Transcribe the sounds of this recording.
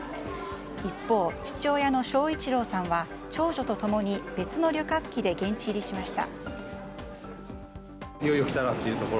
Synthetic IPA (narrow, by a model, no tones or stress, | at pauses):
ipːo̞ːt͡ɕi̥t͡ɕo̞ːjano̞ɕo̞ːit͡ɕiɾo̞ːsãɰ̃βa | t͡ɕo̞ːʑo̞t̪o̞t̪o̞mo̞ɲ̟ibe̞t͡sɨno̞ɾʲokakʲːid̪e̞ɡẽ̞ɲ̟t͡ɕiɾʲiɕimaɕi̥t̪a̰ | joiokʲi̥t̪aɾat̪ːejɯ̟t̪o̞ko